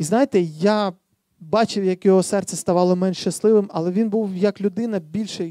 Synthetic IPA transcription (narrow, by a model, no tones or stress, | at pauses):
iznɑjet̪ɛja | bɑt͡ʃɪwjɐkjɔɦɔsɛrt̪sʲɛst̪ɐʋɑlˠɔmɛnʃt͡ʃɐslˠɪʋɪmɐlˠɛʋʲinbuwjɐklʲʊd̪ɪnɐbʲilʲʃɛ